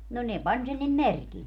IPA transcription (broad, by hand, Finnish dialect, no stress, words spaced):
no ne pɑnʲ sen nim merkil